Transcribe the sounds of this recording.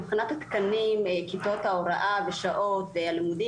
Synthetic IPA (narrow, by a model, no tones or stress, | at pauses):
pχinat̪at̪kanimkit̪ot̪haoɾaʔaveʃaʔot̪ealimud̪i